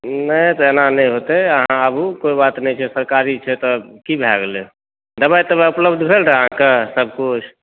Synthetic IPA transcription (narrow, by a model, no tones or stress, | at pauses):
nət̪ɔenanəj̃ɦot̪ɛəɦãəbukoibat̪nɛt͡ʃʰɛsəɾkaɾit͡ʃʰɛt̪ɔkibʱa̰ɡle | d̪əbajt̪əbaupləbd̪ʱbʱelɾəɦãkesəb̚ʱkut͡ʃʰ